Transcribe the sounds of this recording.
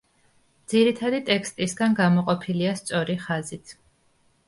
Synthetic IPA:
d̪ziɾit̪ʰad̪it̪ʼɛkʰst̪ʼisɡanɡamɔqʼɔpʰiliast̪sʼɔɾiχazit̪ʰ

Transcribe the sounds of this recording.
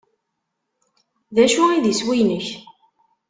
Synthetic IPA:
ðæʃuiðiswijnəç

